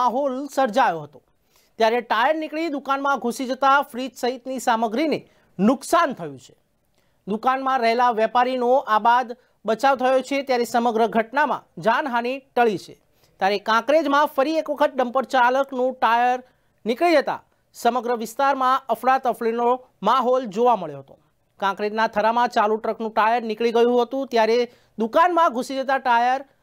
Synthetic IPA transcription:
aɦolsəɾd͡ʒajoɦət̪o | t̪jaɾeʈajəɾnikɭid̪ukanmãɡʱusid͡ʒət̪afɾid͡ʒsəɦit̪nisaməɡɾine | nʊksant̪ʰəjũt͡ʃʰe̥ | d̪ukanmãɾəɦelaʋjɛpaɾinoʔabad̪ | bət͡ʃaʋt̪ʰəjot͡ʃʰet̪jaɾesəməɡɾəɡʱəʈnamã̰d͡ʒanɦaniʈəɭit͡ʃʰḛ | t̪jaɾekãkɾed͡ʒmãfəɾiekʋəkʰət̪̚ɖəmpəɾt͡ʃaləknũʈajəɾ | nɪkɭid͡ʒət̪a̰ | səməɡɾəʋɪst̪aɾmãəfɽat̪əfɭino | maɦɔld͡ʒoʋaməɭjoɦət̪o | kãkɾed͡ʒnat̪ʰəɾamãt͡ʃaluʈɾəknũʈajəɾnɪkɭiɡəjũɦət̪ũt̪jaɾe | d̪ukanmãɡʱusid͡ʒət̪aʈajəɾ

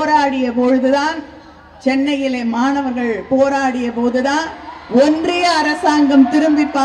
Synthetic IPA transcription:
ɾaːɽɪjɐpoːɻɯðɯðaːn | t͡ʃɛnːɐjɪleːmaːnɐʋɐɾɣɐɭpoːɾaːɽɪjɐpoːðɯðaːnɔndrɪjɐːɾɐsaːŋɡɐmt̪ɪɾɯmbɪpːaː

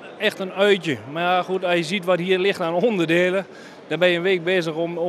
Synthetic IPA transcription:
ɛxtənœɥtjəmaxuətɔsjəzitʋɔthiːərlɪxtanondərdeːlˠə | d̥ɔbɛjənʋeːk̚beːzəxo

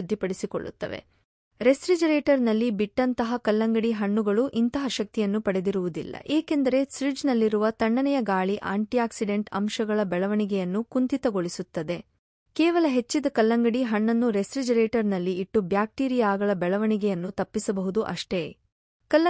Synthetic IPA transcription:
ud̪ʱːipɐɽisiko̰ɭːṵt̪ːɐ̰ʋe̞̰ | ɾesɾid͡ʒɐɾeːʈɐɾnɐlːibiʈːɐnt̪ɐɦɐkɐlːɐŋɡɐɽiɦɐɳːuɡɐɭuʔint̪ɐɦɐʃɐk̚t̪ijɐnːupɐɽe̞d̪iɾuʋud̪ḭlːɐ̰ʔeːke̞nd̪ɐɾe̞sɾid͡ʒnɐlːiɾuʋɐt̪ɐɳːɐnɛjɐɡaːɭiʔa̰ːɳʈijaːksiɖe̞ɳʈɐ̰mʃɐɡɐɭɐbɛɭɐʋɐɳiɡɛjɐnːukunt̪it̪ɐɡoɭisut̪ːɐd̪e̞ | kɛːʋɐlɐɦe̞t͡ʃːid̪ɐkɐlːɐŋɡɐɽiɦɐɳːɐnːuɾe̞sɾid͡ʒɐɾeːʈɐɾnɐlːiːʈːubjaːk̚ʈiːɾijaːɡɐɭɐbɛɭɐʋɐɳiɡɛjɐnːut̪ɐpːisɐbɐɦud̪uʔɐ̰ʂʈe̞ː | kɐlːɐ

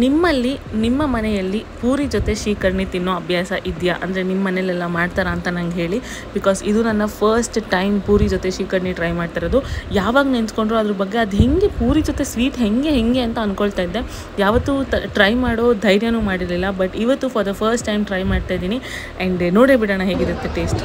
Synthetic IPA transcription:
nimːɐlːinimːɐmɐnɛjɐlːipuːɾid͡ʒot̪e̞ʃiːkɐɾɐɳit̪inːoɐbʱjaːsɐʔid̪jɐʔɐ̰nd̪ɐɾenimɐːɐnelːɛlːɐmaːɖt̪aːɾɐːnt̪ɐnɐŋɡɦe̞ːɭi | bikɔːsid̪unɐnːɐpʰɐɾsʈʈɐjmpuːɾid͡ʒot̪eʃiːkɐɾɳiʈɾɐjmaːɖt̪iːɾod̪ujaːʋaːɡɐnent͡ʃko̞ɳɖɾoɐd̪ɐɾɐbɐɡːe̞ɐd̪ɦeŋɡepuːɾid͡ʒot̪e̞sʋiːʈ̪ɦeŋɡeɦeŋɡeɐnt̪ɐɐnkoɭt̪aːjid̪ːe̞ | jaːʋɐt̪ːuʈɾɐjmaːɽo̞d̪ʱɐjɾjɐnuːmaːɽiɾɐlilːɐbɐʈiʋɐt̪ːufʰɐɾd̪ɐpʰɐɾsʈːɐjmʈɾɐjmaːɖt̪aːjd̪iːni | ɛɳɖnoːɽeːbiɽaːnɐɦeɡid̪ɾɐt̪ːeʈe̞ːsʈ

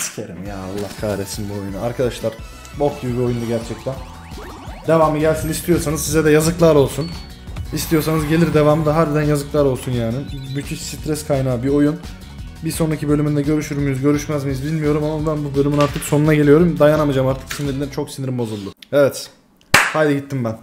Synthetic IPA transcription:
scʰeɾḭmja̰ːalˠːahkʰaɾesimbio̞junuaɾkʰad̪aʃlˠaɾ̥ | bo̞k̪yɾbʲio̞jund̪aɟæɾt͡ʃʰɛc̚t̪ʰæn | d̪e̞vaːmɯɟælʲsinist̪ijo̞ɾsanɯzsizɛd̪ɛjazɯklˠaɾo̞lˠsun | ist̪ʰijo̞ɾsanɯzɟe̞lʲiɾd̪e̞vaːmɯd̪aɦaɾd̪ɛd̪ænjazɯklˠaɾo̞lˠsunjaːnibyt̪ʰysit̪ɾɛskʰajnaːbio̞jun | bisonɾacʰibø̞lʲymynd̪ɛɟø̞ɾyʃyɾmyjyzɟø̞ɾyʃmæzmɯjɯzbilʲmijo̞ɾumamabænbubølʲymynaɾt̪ʰɯkso̞nunaɟe̞lʲijo̞ɾumd̪ajanamad͡ʒamaɾt̪ʰɯ̥ksiniɾlʲint͡ʃʰo̞ksiniɾimbo̞zulˠːuevɛt̪ | fajd̪aɟit̪ʰːimbæn

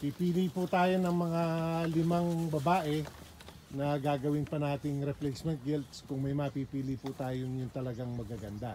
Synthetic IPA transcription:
pipiːliput̪aːjo̞nɐŋmɐŋalɪmaŋbɐbaːʔɛ | nɐɡaːɡɐwɪnpɐnaːt̪ɪŋɾɛplɛsmɛnt̪̚ɡɛlt̪skʊŋmɐjmɐpiːpiːlipʊt̪aːjoŋjʊŋt̪ɐlɐɡaŋmɐɡaɡɐnd̪a

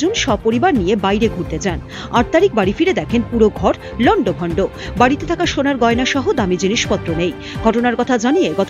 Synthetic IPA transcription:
unʃɔb̚poɾibaɾnijebajɾeɡʱuɾt̪et͡ɕan | aʈ̚t̪aɾik̚baɾifiɾed̪ɛkʰenpuɾoɡʱɔɾ | lɔɳɖoɡʱɔɳɖo | baɽit̪et̪ʰakaʃonaɾɡɔenaʃɔɦod̪amid͡ʑiniʃpɔt̪ːɾonej | ɡ̥ʱɔʈonaɾkɔt̪ʰad͡ʑanieɡɔt̪

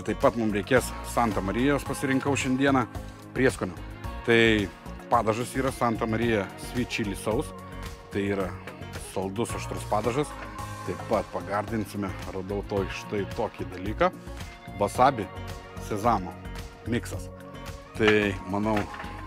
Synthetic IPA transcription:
t̪ɐɪppɐt̪mʊmɾʲɛɪkʲeːssɑnt̪ɐmɐɾʲɪjɛɐʃpɐsʲɪɾʲɪŋkɐʊʃʲɛnʲd̪ʲiɛnɐ | pʲɾʲiɛskoːnʲoːt̪ɐɪ | pɑːd̪ɐʒɐsiːɾɐsɑnt̪ɐmɐɾʲɪjɛsʲʋʲiːt͡ʃʲiːlʲɪsɐʊs | t̪ɐɪiːɾɐsɐlˠd̪ʊsɐʃt̪ɾʊspɑːd̪ɐʒɐst̪ɐɪpɐt̪pɐɡɐɾʲd̪ʲɪnʲsʲɪmʲɛrɐd̪ɐʊt̪oːjʃɪ̥t̪ɐɪt̪oːkʲid̪ɐlʲiːkɑ | bɐsɑːbʲɪ | sʲɛzɑːmo | mʲɪksɐs | t̪ɐɪmɐnɐʊ

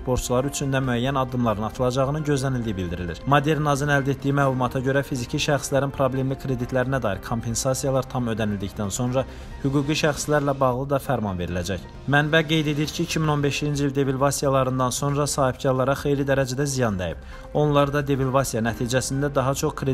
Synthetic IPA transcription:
spo̞ɾt̪t͡ʃʰulˠɑɾɯyt͡ʃʰynd̪æmyæjːænɑd̪ːɯmlˠɑɾɯnɑt̪ʰɯlˠɑd͡ʒɑʁɯnɯnɟø̞zlænild̪ijibild̪iɾilḭɾmod̪e̞ɾnɑzinæld̪e̞t̪̚d̪ijimæːlˠumɑt̪ʰɑɟø̞ɾæfizicʰiʃæxslæɾinpʰɾo̞ble̞mlikʰɾe̞d̪it̪ʰlæɾinæd̪ɑːiɾkʰompʰe̞nsɑsijɑlˠɑɾt̪ʰɑmød̪ænild̪icd̪ænso̞nɾɑ | hyɡuːɡiʃæxslæɾlæbɑɣlˠɯd̪ɑfæɾmɑnve̞ɾilæd͡ʒæç | mænbæɡe̞jd̪e̞d̪iiɾcʰiːcʰimino̞nbe̞ʃind͡ʒiild̪e̞vilvɑsijɑlˠɑɾɯnd̪ɑnso̞nɾɑsɑːhib̚ɟɑɾlˠɑɾɑχe̞jlid̪æɾæd͡ʒæd̪æzijɑnd̪æ̰jḭb̥̚ | o̞nlˠɑɾd̪ɑd̪e̞vilvɑsijɑnæt̪ʰiːd͡ʒæsind̪æd̪ɑɦɑt͡ʃʰo̞χkʰɾe

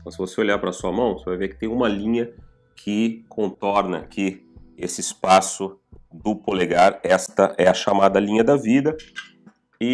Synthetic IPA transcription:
t̪ɐ̃w̃sɪvoseoʎaɾpɾɐsuɐmɐ̃w̃sevajveɾkɪ̥t̪ẽj̃ũmɐlĩɲɐ | kʰɪkʰõnt̪ɔɾnɐkʰʲiesɪɪspasʊd̪ʊpoleɡaɾɛst̪ɐʔɛɐʃamad̪ɐlĩɲɐd̪ɐvid̪ɐ | ɪ

